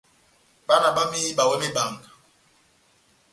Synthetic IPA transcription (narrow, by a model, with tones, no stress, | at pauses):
ɓa˦na˨ɓa˦mi˦i˦ɓa˨wɛ˦me˦ba˨ŋɡa˨